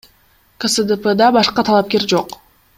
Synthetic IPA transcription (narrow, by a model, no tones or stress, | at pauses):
kəsəd̪əpəd̪ɑbɑʃqɑt̪ʰɑlˠɑp̚ke̞ɾd͡ʒo̞q